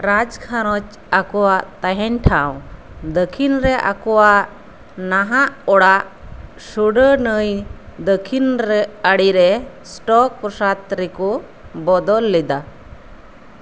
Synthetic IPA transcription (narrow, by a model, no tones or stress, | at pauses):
ɾad͡ʒkʰaɾɔt͡ʃ | akɔwaʔt̪aɦɛnʈʰaw | d̪əkʰinɾɛʔa̰kɔwaʔ | naɦaʔɔɽaʔ | suɖənəjd̪əkʰinɾɛəɽiɾɛsʈɔk̚ːɔsat̪ɾikɔ | bɔd̪ɔlːɛd̪a